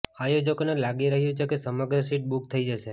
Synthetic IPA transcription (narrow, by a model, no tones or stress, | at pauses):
ajod͡ʒəkonelaɡiɾəɦjũt͡ʃʰekesəməɡɾəsiʈ̚buk̚t̪ʰəid͡ʒəʃe